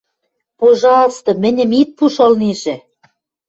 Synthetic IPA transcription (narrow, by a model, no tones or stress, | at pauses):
poʒɑst̪ŏmɘ̆nʲɘ̆mit̪̚puʃolniʒĕ